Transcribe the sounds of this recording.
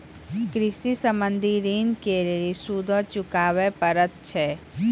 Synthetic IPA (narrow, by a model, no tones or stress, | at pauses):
kɾɪsisəmənd̪ʱiɾiːnkeːɾeɾisud̪ʱɔ̃t͡ʃʊkaːʋepəɾət̪̚t͡ʃʰɛː